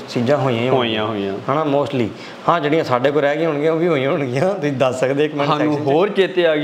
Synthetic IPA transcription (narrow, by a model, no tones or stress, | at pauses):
siːd͡ʒãːɦoːijãːĩoːiãːɦoːijãːɦaːnaːmoːsʈliː | hãːd͡ʒeːɽɪjãːsaːɖeːkoːɾɛːɡɪjãɦʊɳɡɪjãːoːbiːɦoːijãːɦʊɳɡɪjãːt̪ʊsĩːd̪əsːəkd̪eːɪkmɛ̃aːnũːɦoːɾt͡ʃeːt̪eaːɡ